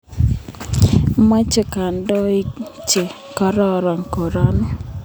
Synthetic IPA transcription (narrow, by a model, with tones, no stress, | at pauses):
ma˦t͡ʃe˨ka˨ndɔ˦i˦t͡ʃe˨ | kɔ˦ɾɔ˦ɾɔ˨ŋko˨ɾɔ˦n˦